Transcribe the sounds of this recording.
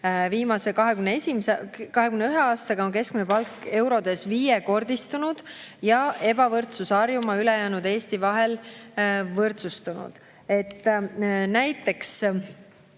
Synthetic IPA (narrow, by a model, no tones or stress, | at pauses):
viːmɑse̞kɑɦeɡymneesʲimsekɑɦe̞kymneyɦeɑːst̪ɑɡɑo̞ŋke̞skminepɑlkːe̞wɾo̞d̪̥e̞sviːjeko̞rd̪ist̪unud̪̥jɑe̞bɑvɤrt̪susɑrjumɑyle̞jæːnud̪̥e̞ːst̪ivɑɦe̞l | vɤrt̪sust̪unṵd̪̥ | e̞t̪ːnæjt̪ːˑe̞ks